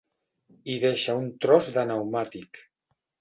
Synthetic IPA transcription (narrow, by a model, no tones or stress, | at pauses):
iðeʃaunt̪ɾɔzðənawmat̪ik